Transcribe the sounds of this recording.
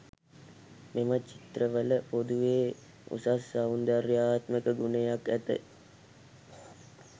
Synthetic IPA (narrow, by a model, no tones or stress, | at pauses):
memət͡ʃi̥t̪rəʋələpod̪uʋeː | ṵsasːaund̪arjaːt̪məkəɡunejakæt̪ə̰